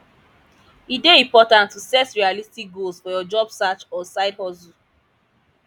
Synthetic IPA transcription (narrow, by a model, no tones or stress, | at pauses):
ideĩmpɔtãntːusɛsɹialistik̚ɡolsfɔjɔd͡ʒɔbsat͡ʃɔsaɪdhɔzu